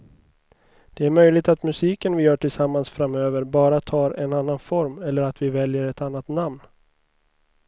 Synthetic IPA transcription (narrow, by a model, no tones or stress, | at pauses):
d̪̥ɛæɾmœjlɪɡ̚t̪at̪mɵsiːkənvɪjœːʈʰɪlsamːansfɾamøːvəɾbɑːɾat̪ʰɑːɾɛnanːanfɔɾmɛlːəɾat̪vɪvɛljəɾɛt̪anːat̪namn